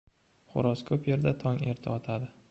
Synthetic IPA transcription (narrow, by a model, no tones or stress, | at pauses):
χʊ̰ɾɒskʰɵpje̞ɾd̪at̪ʰɒŋe̞ɾt̪ʰɪɒt̪ʰad̪ɪ